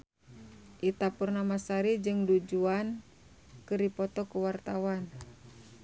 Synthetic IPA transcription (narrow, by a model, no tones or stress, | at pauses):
ʔit̪apurnamasaɾid͡ʒɨŋdud͡ʒuan | kɨrdipɔt̪ɔkuwart̪awan